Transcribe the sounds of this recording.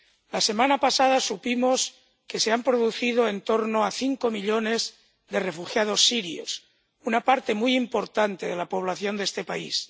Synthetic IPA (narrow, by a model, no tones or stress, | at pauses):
lase̞mãnapasaðasupimo̞s | ke̞se̞ampɾoðuθið̞oe̞nt̪o̞ɾnoaθiŋko̞miʎo̞ne̞z | ðe̞re̞fuxjað̞o̞sːiɾjo̰s | unapaɾt̪e̞mujimpo̞ɾt̪ant̪eð̞e̞lapo̞β̞laθjo̞nd̪e̞st̪e̞paḭs